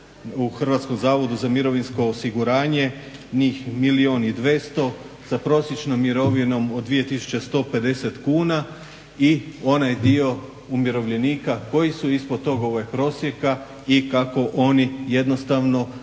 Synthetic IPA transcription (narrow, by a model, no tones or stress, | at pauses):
uxr̩ʋat̪sko̞mzaːʋo̞d̪uzamiɾo̞ʋinsko̞ːsiɡuɾaːɲe̞ | ɲiːxmilio̞nid̪ʋe̞st̪o̞ | sapɾo̞ːsje̞t͡ʃnomːiɾo̞ʋino̞mod̪d̪ʋije̞t̪isu̥t͡ɕe̞st̪o̞ːpe̞d̪e̞set̪kuːna | io̞najd̪io̞ | umjeɾo̞ʋʎe̞niːkako̞jisuispod̪̚t̪o̞ɡo̞ʋajpɾo̞ːsje̞ka | ikako̞ʔo̞nije̞d̪no̞st̪aʋno̞